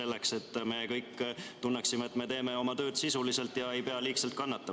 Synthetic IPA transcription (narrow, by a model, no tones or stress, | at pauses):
e̞lːe̞kse̞t̪ːme̞kɤjkːt̪unːeksimeet̪ːme̞t̪e̞ːme̞o̞mɑt̪ø̞ːd̪̥sisulise̞lt̪jɑe̞jpe̞ɑliːkselt̪̚kɑnːɑt̪ːˑɑm